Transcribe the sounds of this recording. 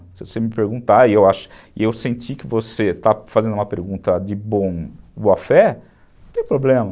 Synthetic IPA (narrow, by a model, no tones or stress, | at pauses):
sɪvosemɪpeɾɡũt̪aɪewaʃʊ̥ | ɪewsẽnt͡ʃ̪ikɪvoset̪afazẽnd̪ʊũmɐpeɾɡũnt̪ɐd͡ʒɪbõboɐfɛ | t̪ẽj̃pɾoblẽmɐ